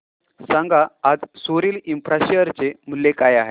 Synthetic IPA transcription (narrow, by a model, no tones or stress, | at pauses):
sãŋɡaːd͡zsoɾiːlimfɾaɕeəɾt͡sem̤ulːekajaɦe